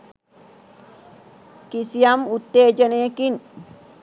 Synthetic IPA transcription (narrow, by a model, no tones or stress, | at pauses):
kisijamut̪ːeːd͡ʒɐnejɐkin